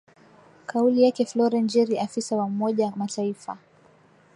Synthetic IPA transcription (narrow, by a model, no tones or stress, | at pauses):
kʰaulijakɛflɔɾɛnd͡ʒɛɾiafisawaumɔʄamatʰaifa̰